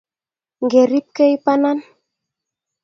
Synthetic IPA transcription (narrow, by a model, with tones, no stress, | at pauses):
ŋɡe˨ɾi˦p̚ke˦jpa˦na˦n